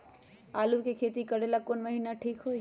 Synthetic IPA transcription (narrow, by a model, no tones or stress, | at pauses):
aːlukekʰeːt̪ikɐɽelakoːnməɦiːnaʈʰiːkɦo